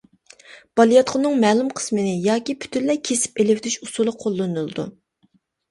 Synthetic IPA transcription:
b̥ɑlˠijɑt̪qʰənɨŋmɛːlumqʰə̥smɨnɪjɑːkʲipʰy̥t̪ʰynlɛkʲʰesɪ̥pelɪpd̪yʃusulˠɨqʰolˠːɨnɨlˠɨd̪ṵ

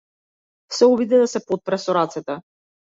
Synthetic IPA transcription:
sɛɔbid̪ɛd̪asɛpot̪̚pɾɛsɔɾat̪sɛt̪ɛ

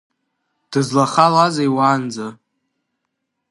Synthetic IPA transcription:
d̥ɨzlaχalazajwaːnd͡za

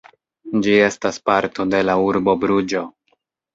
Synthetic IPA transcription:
d͡ʒie̞staspaɾto̞de̞lauɾbo̞bɾud͡ʒo̞

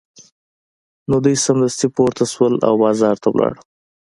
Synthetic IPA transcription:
nod̪ujsamd̪ast̪ipoɾt̪aswəla̰wbɑzɑɾt̪awlʔɑ̰ɽə

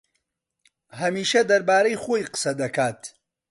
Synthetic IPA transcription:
ɦɐmiːʃɐd̪ɐɾbaːɾɐjχoːjqɨ̥sɐd̪ɐkʰaːt̪

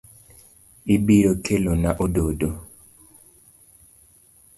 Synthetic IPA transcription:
ibiɾokʰelonaʔododo

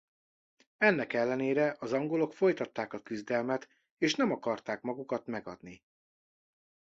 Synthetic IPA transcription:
ɛnːɛkɛlːɛneːɾɛʔɒzɒŋɡo̞lo̞kfo̞jt̪ɒt̪ːaːkɒkyzd̪ɛlmɛt̪ | eːʃnɛmɒkɒrt̪aːkmɒɡukɒt̪mɛɡɒ̰d̪ni

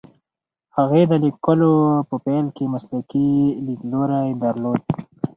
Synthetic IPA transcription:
haɣed̪əlikːəlopəpelkemaslakilikloɾajd̪əɾloːd̪̚

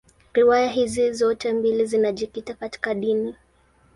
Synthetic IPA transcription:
ɾiwajaɦizizɔtɛmbilizinaʄikitakati̥kaɗini

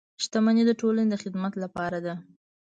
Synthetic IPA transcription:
ʃt̪amaned̪əʈolaned̪əxɪd̪mat̪lapɑɾad̪a

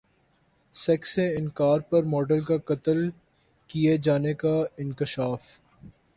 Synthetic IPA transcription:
sɛkseɪnkaːɾpɐɾmɔːɖəlkakɐt̪əl | kied͡ʒaːnekaɪ̃nkɪʃaːf

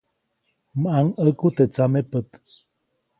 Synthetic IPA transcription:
maŋəkut̪et͡samepət̪

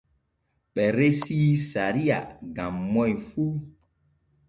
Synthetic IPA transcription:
ɓɛɾesisaɾiaɡãmːɔjfu

